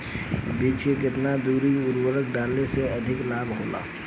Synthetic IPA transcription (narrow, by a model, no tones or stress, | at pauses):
biːt͡ʃkekɪt̪nad̪uːɾiʊɾwəɾək̚ɖaːlneseɐd̪ʱɪklaːbɦoːla̰ː